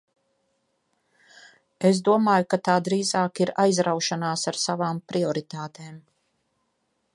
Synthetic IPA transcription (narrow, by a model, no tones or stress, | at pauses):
es̬d̪uɔmaːjukat̪aːd̪ɾiːzaːkiɾajzɾawʃanaːsaɾsavaːmpɾiɔɾit̪aːt̪eːm